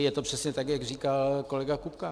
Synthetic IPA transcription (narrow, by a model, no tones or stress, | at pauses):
jɛt̪o̞pr̥ɛsɲɛt̪akjaɡriːkalko̞lɛɡakupka